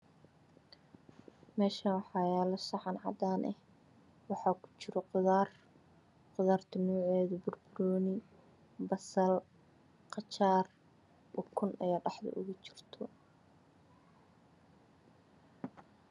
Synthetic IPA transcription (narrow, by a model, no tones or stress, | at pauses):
mɛːʃɐnwɑħɑːjɛːlɔsɑħɑnʕɑ̰d̪aːnʔɛ̰h | wɑħɑːkʰʊ̥t͡ʃɪɾɔqʊðaːr | qʊðaːrt̪ʰɔnɔːʕɛːðɐbʊrbʊɾɔːnɪ | bɐsɐl | qɑt͡ʃʰaːr | ʔɔkʰʊnɛjɐɖɑħd̪ɐ̰ʔʊ̰ɣʊt͡ʃɪ̥r̥t̪ʰɔ